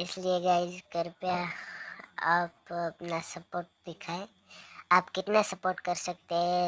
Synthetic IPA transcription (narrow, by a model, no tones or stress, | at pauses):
ɪslieɡaɪd͡ʒkəɾpja | aːpɐpnasɐpoːɾʈ̚d̪ɪkʰaːẽ | aːpkɪt̪nasɐpoːɾʈkɐɾsɐk̚t̪eɦɛ̃